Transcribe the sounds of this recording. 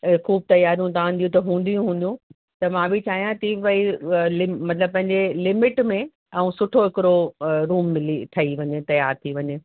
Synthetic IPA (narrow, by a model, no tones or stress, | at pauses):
xuːb̚t̪ɐjaːɾijũt̪ʰãn̆d̪iũt̪ɐɦũːn̆d̪ijũɦũːn̆d̪jũ | t̪ɐmãbʱɪt͡ɕaːɦijãt̪iʋɐilɪmɐt̪ləb̚pɐ̃ɦɪ̃ɲ̆d͡ʑelɪmɪʈmẽ | ɐũsʊʈʰoɦɪkɪɾoɾuːmːɪlit̪ʰɐiʋɐɲet̪ɐjaːɾt̪ʰiʋɐɲe